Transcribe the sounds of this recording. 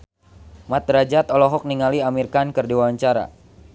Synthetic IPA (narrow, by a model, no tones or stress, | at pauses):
mat̪ɾad͡ʒat̪ɔlɔɦɔk̚niŋaliamirkankɨrdiwaaɲt͡ʃaɾa̰